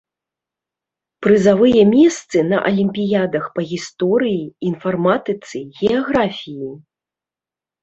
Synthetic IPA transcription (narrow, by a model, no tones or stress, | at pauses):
pɾɨzavɨjɐmʲɛst̪sɨnɐ̰ʔɐ̰lʲimʲpʲijad̪ɐxpɐɣʲist̪ɔɾɨjiinfarmat̪ɨt̪sɨɣʲɛaɣɾafʲiji